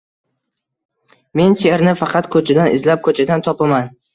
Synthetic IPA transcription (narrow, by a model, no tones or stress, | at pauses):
me̞nseɾnɪfɑqʰɑt̪kʰɵt͡ʃʰad̪anɪzlap̚kʰɵt͡ʃʰad̪ant̪ʰɒpaman